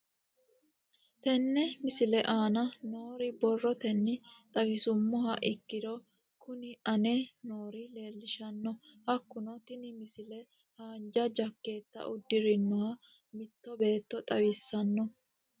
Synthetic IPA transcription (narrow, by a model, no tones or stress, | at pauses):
t̪ɛnːɛmɪsɪlɛʔaːnɐno̞ːɾɪbɔrːɔt̪ɛnːɪt̪ʼɐwɪsʊmːɔɦɐʔɪkːɪd̪ɔ | kʊnɪʔɐneno̞ːɾɪle̞ːlːɪʃɐnːɔhɐkːʊnɔt̪ɪnɪmɪsɪlɛ | haːnd͡ʒɐd͡ʒɐkːe̞ːt̪ːɐ̰ʔʊd̪ːɪɾɪnːɔhɐ | mɪt̪ːɔbe̞ːt̪ːɔt̪ʼɐwisːɐnːɔ